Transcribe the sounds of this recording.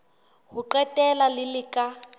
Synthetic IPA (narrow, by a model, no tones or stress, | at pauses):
ɦuǃɛtɛlalɪlɪkʼa